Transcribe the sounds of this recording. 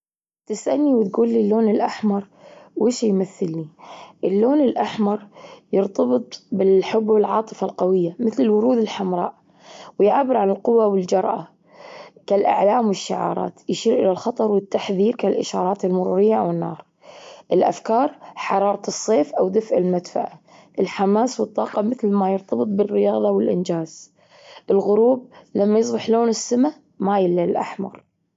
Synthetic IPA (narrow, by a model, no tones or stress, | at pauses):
t̪ɪsʔanːiwɪt̪̚ɡuːlːilːoːnɪlʔaħmɑɾˤ | weːʃjmaθːɪlːiʔɪlːoːnɪlʔaħmɑɾˤjɨɾt̪ɑbɨt̪ˤbɪlħʊbːwɪlʕɑ̰ːt̪ˤɨfalqawɪjːamɪθlɪlwʊɾuːd̪ɪlħamɾˤɑ̰ːʔ | wɪjʕabːɪɾʕanɪlqʊwːawɪld͡ʒɑɾˤʔa | kalʔa̰ʕlaːmwɪʃːaʕɑ̰ːɾˤɑ̰ːt̪jɪʃiːɾʔɪlalxɑt̪ˤɑɾˤwɪt̪ːaħðiːɾkalʔɪʃɑːɾˤɑːt̪ɪlmʊɾṵːɾɪjːaʔawɪnːɑ̰ːɾˤ | ʔɪlʔa̰fkɑːɾˤħɑɾˤɑːɾˤɑɨsˤːeːfʔawd̪afʕɪlmad̪fa̰ʕa | ʔɪlħamaːswɨt̪ˤːɑːqɑmɪθlmajɪɾt̪ʰɑbɨt̪̚ˤbɪrːɪjɑːðˤɑwɪlʔɪ̰nd͡ʒaːz̥ | ʔɪlɣʊɾuːb̚lamːajɨs̬ˤbɪħloːnɪsːama | majɪlːalʔa̰ħmɑ̰ɾˤ